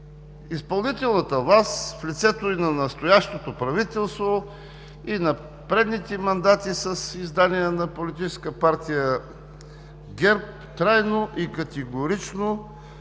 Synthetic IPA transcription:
ispɐlˠnit̪ɛlˠnət̪əvˠasflit̪sɛt̪oinɐnɐst̪ojaʃt̪ot̪opɾɐvit̪ɛlˠst̪vo | inɐ | pɾɛd̪nit̪ɛmɐnd̪at̪isɐsizd̪aniɛnɐpolit̪it͡ʃɛskəpaɾt̪ijə | ɡʲɛɾp | t̪ɾajnoʔikɐt̪ɛɡoɾit͡ʃno

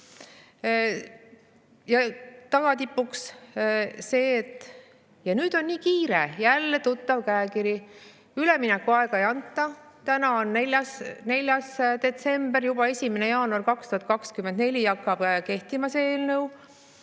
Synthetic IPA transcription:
jɑt̪ɑɡ̥ɑt̪ipːuks | se̞ːt̪ːˑ | jɑnyːd̪̥o̞nːiːkiːɾḛjælːe̞t̪ut̪ˑːɑvkæekiɾji | yleminɛkːuɑeɡ̥ɑe̞jɑnt̪ˑːɑ | t̪ænɑonːelʲɑsne̞lʲjɑsd̪̥e̞t̪se̞mb̥erjub̥ɑe̞sʲimenejɑːnuɑrkɑkst̪uhɑt̪̚kɑkskymend̪̚ne̞lʲijɑkːɑb̥ke̞ht̪imɑseeːlnɤw

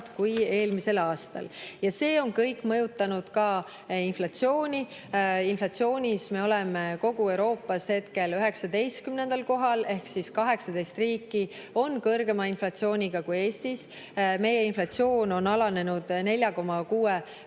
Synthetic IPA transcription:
d̪̥kuje̞ːlmise̞lɑːst̪ɑ̰ljɑse̞ːo̞nkɤjkːˑmɤjut̪ːˑɑnud̪̥kɑ | inflɑt̪sio̞ːnʲi | inflɑt̪sio̞ːnʲisme̞o̞lemeko̞ɡ̥ue̞wɾo̞ːpˑːɑshe̞t̪ke̞løɦe̞ksɑd̪e̞jst̪̚kymne̞nd̪̥ɑlko̞ɦɑle̞hksiskɑɦe̞ksɑd̪e̞jst̪riːkːˑi | o̞nkɤrɡe̞mɑinflɑt̪sio̞ːnʲiɡ̥ɑkuje̞ːst̪is | me̞jeinflɑt̪sio̞ːno̞nɑlɑne̞nud̪̥ne̞lʲjɑko̞mːɑkuːe

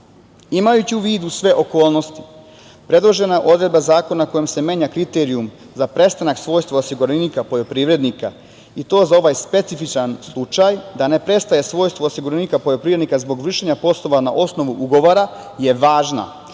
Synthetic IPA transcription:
imajut͡ɕiuʋiːd̪usʋe̞ʔo̞ko̞ːlˠno̞st̪i̥ | pɾe̞d̪lˠo̞ʒe̞naʔo̞d̪ɾed̪bazaːko̞naako̞jemse̞me̞ːɲakɾit̪eɾium | zapɾe̞st̪anaksʋo̞ːjst̪ʋoosiɡuɾenikapo̞ʎopɾiːʋɾe̞d̪nika | it̪o̞ːzao̞ʋajspe̞t̪sifit͡ʃanslˠut͡ʃajd̪ane̞pɾe̞st̪aje̞sʋo̞ːjst̪ʋoosiɡuɾenikapo̞ʎo̞pɾiːɾed̪nikazbo̞ɡʋr̩ʃeɲapo̞slˠo̞ʋanaʔo̞sno̞ʋuʔuɡo̞ʋoɾa | je̞ʋaːʒna̰

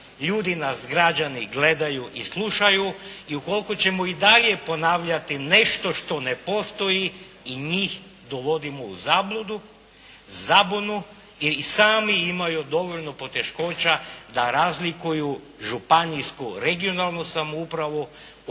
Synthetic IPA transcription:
ʎuːd̪inasɡɾad͡ʒaniɡle̞d̪ajuʔislˠuʃajuiuko̞lkot͡ɕe̞moid̪aʎje̞po̞naːʋʎat̪ine̞ʃt̪o̞ʃt̪o̞ne̞po̞st̪o̞ji | iɲiːx | d̪o̞ʋo̞d̪imouzaːblˠud̪u | zabonu | iɾisaːmiimajud̪o̞ʋo̞ʎnopo̞t̪e̞ʃko̞ːt͡ɕad̪aɾazlikuju | ʒupanijskuɾe̞ɡio̞nalˠnosamoupɾaʋu

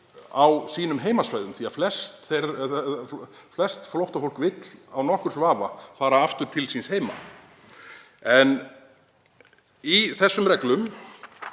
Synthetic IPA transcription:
awsiːnʏmɦeːjmasvaːjðʏmθiaflɛst̪θeɾ | flɛst̪flowht̪afowlkvɪt̪lawnɔhkʏɾ̥svaːvafaːɾaaft̪ʏɾ̥t̪ʰɪlsinsheːjma̰ | ɛn | iθɛsːʏmrɛklʏm

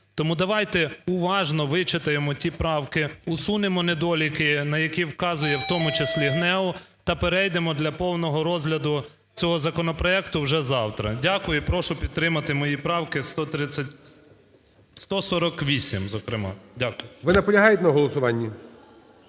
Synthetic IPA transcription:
t̪ɔmud̪ɐʋɑjt̪ɛʊʋɑʒnɔʋɪt͡ʃɪt̪ɐjemɔtʲipɾɑwkɪʊsunemɔned̪ɔlʲikɪnɐjɐkʲiwkɑzʊjɛwt̪ɔmʊt͡ʃɪslʲiɦnɛʊ | t̪ɐpeɾɛjd̪emɔd̪lʲɐpɔwnɔɦɔɾɔzɦlʲɐd̪ʊ | t͡sʲɔɦɔzɐkɔnɔpɾɔɛkt̪ʊwʒɛzɑwt̪ɾɐ̰dʲakʊjʊpɾɔʃʊpʲid̪t̪t̪ːɾɪmɐt̪ɪmɔjipɾɑwkɪst̪ɔt̪ɾɪɐtʲ | st̪ɔsɔɾɔkʋʲisʲimzɔkɾɪmɑ̰dʲakʊjʊʋɪnɐpɔlʲɐɦɑjt̪ʲɛnɐɦɔlˠɔsʊʋɑnʲːi

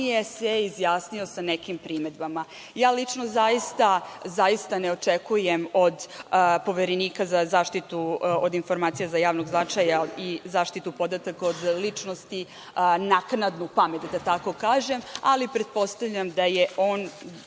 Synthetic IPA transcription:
jeseizjaːsnio̞sane̞kimpɾime̞d̪bama | jaːlit͡ʂnozaist̪azajist̪aneo̞t͡ʃekujemo̞d̪po̞ʋeɾeniːkazazaːʂt̪it̪uod̪info̞ɾmaːt̪sijazajaːʋno̞ɡznat͡ʃajaizaːʃt̪it̪upo̞d̪at̪ako̞d̪lit͡ʂno̞st̪i | naknad̪nupame̞t̪d̪at̪ako̞kaːʒe̞malipɾe̞d̪̚po̞st̪avʎʲamd̪ajeo̞ːn

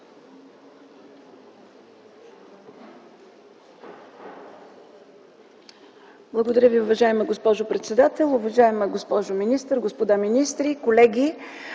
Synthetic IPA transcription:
blˠɐɡod̪ɐɾʲəviʊvɐʒaɛməɡospɔʒʊpɾɛt̪sɛd̪at̪ɛlˠʊvɐʒaɛməɡospɔʒominist̪əɾɡospod̪aminist̪ɾikolɛɡʲi

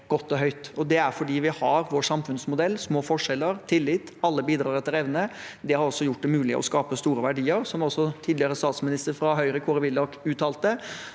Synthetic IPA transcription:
ɡ̥ɔt̪ːɔɦœʏt̪ɔd̪ɛæɾfɔɖiːʋɪhɑɾʋoːsɑmfʉnsmʊd̪ɛlːsmoːfɔʂɛlːəɾt̪ʰɪlːɪt̪ːɑlːəbiːd̪ɾɑːɾɛt̪ːɪlɾɛʋnə | d̪ɛhɑɾɔsːɔjʊʈ̚ːd̪ɛmʉːlɪ̰ʔɔ̰skɑːpəst̪uːɾəʋæɖiːəɾsɔmɔsːɔt̪ʰiːd̪lɪəɾəst̪ɑːt̪smɪnɪst̪əɾfɾɑɦœʏɾəkʰuɾəʋɪld̪ɑkʉːt̪ɑːlt̪ə

